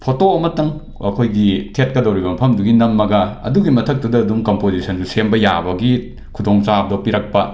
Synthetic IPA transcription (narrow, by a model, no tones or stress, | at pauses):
pʰotoɐmɐtɐŋ | ɐkʰojɡitʰet̚kɐdɐwɾibɐmɐpʰɐmduɡinɐmːɐɡɐɐ̰duɡimɐtʰɐk̚tɐdɐːdumkompozisɐndusembɐja̰bɐɡi | kʰudoŋt͡ʃabdopiɾɐk̚pɐ